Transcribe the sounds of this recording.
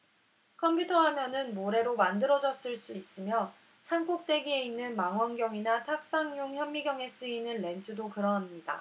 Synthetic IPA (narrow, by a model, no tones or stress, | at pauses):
kʰʌmpʰjutʰʌɦamjʌnɯnmoɾe̞ɾomandɯɾʌd͡ʑʌs͈ɯɭs͈uis͈ɯmjʌ | sʰaŋk͈ok̚t͈e̞ɡie̞inːɯnmaŋɦwʌnɡjʌŋinatʰak̚s͈aŋɲoŋçjʌmːiɡjʌŋe̞s͈ɯinːɯnːe̞nd͡ʑʰɯdokɯɾʌnɦamɲida̰